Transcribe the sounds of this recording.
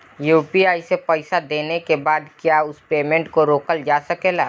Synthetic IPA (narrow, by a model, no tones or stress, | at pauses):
juːpiaːisepəɪsad̪eːnekebaːd̪kjaːʊspeːmɛ̃ɳʈkoɾoːkəld͡ʒaːsɐkeːlaː